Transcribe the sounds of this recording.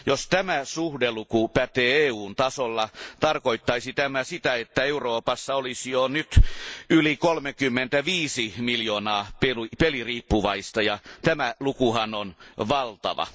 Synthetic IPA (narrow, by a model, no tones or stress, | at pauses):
jost̪æmæsuhdelukupæt̪eːeːuːnt̪ɑsolːɑt̪ɑrkoit̪ːɑisit̪æmæsit̪æet̪ːæeuroːpɑsːɑolisjonyt̪ylikolmekymːent̪æʋiːsimiljoːnɑːpelupeliriːpːuʋɑist̪ɑjɑt̪æmælukuhɑnonʋɑlt̪ɑ̰ʋɑ̰